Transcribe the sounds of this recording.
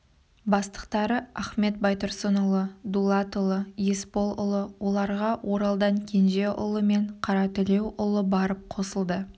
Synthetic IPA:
bɑst̪ə̥qt̪ɑɾəæχme̞t̪̚bɑjt̪ʊɾsonʊlˠəd̪ulˠɑt̪ʊlˠəje̞spo̞lˠʊlˠəwo̞lˠɑɾʁɑwʔo̞ɾɑlˠd̪ɑɴkʲʰe̞nʒe̞ʔʊ̰lˠəme̞ɴqʰɑɾɑt̪ʏle̞wʔʊlˠəbɑɾəp̚qʰo̞səlˠd̪ə

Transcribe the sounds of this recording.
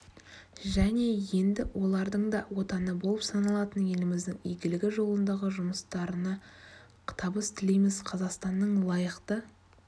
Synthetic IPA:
ʒæne̞je̞nd̪ɪwʔo̞lˠɑɾd̪əɴd̪ɑwo̞t̪ɑnəbo̞lˠəpsɑnɑlˠɑt̪ənje̞lɪmɪzd̪ɪŋijɡʲɪlɪɡʲɪʒo̞lˠənd̪ɑʁəʒʊməst̪ɑɾənɑ | qʰt̪ʰɑbəst̪ʰɪle̞jmɪzqʰɑzɑqst̪ɑnːəɴlˠɑjəqt̪ə

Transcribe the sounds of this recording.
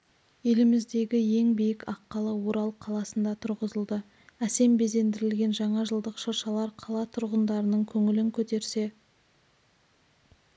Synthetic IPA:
jelɪmɪzd̪e̞ɡʲɪje̞ŋbijɪkɑqːɑlˠəwo̞ɾɑlˠqʰɑlˠɑsənd̪ɑt̪ʰʊɾʁəzəlˠd̪ə | æse̞mbe̞ze̞nd̪ɪɾɪlɡʲe̞nʒɑɴɑʒəlˠd̪əqʃoɾʃɑlˠɑɾqʰɑlˠɑt̪ʰʊɾʁənd̪ɑɾənəɴkʲʰɵŋɪlɪŋkʲʰɵt̪e̞ɾse̞

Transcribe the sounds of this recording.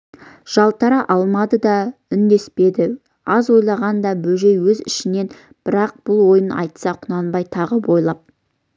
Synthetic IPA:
ʒ̥ɑlˠt̪ʰɑɾɑʔɑlˠmɑd̪əd̪ɑʏnd̪e̞spe̞d̪ɪ | ɑzwo̞jlˠɑʁɑnd̪ɑbɵʒe̞jwɵzɪ̰ʃɪne̞n | b̥ɪɾɑq̚b̥ʊlˠwo̞jənɑ̰jt̪sɑqʰʊnɑnbɑjt̪ʰɑʁəbojlˠɑp̚

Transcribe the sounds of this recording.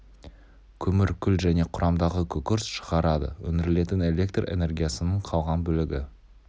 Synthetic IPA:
kʲʰɵmɪɾkʲʰʏlʒæne̞qʰʊɾʔɑmd̪ɑʁəkʲʰɵkʲʊɾsʃə̥ʁɑɾɑd̪ə̰wɵnɪɾɪle̞t̪ɪne̞lʲe̞kt̪re̞̰ne̞rɡʲijasənəɴqʰɑlˠʁɑnbɵlɪɡʲɪ

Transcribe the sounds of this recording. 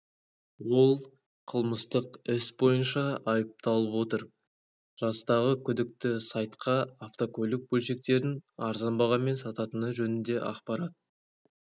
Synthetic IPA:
wo̞lˠ | qʰəlˠməst̪əqɪsbo̞jənʃɑɑjəp̚t̪ɑlˠəpwo̞t̪əɾ | ʒ̥ɑst̪ɑʁəkʲʰʏd̪ɪk̚t̪ɪsɑjt̪qʰɑːft̪o̞kʰʲɵlɪk̚bɵlʃe̞k̚t̪e̞ɾɪnɑɾzɑnbɑʁɑme̞nsɑt̪ɑt̪ənəʒɵnɪnd̪e̞ʔɑ̰qpɑɾɑt̪̚

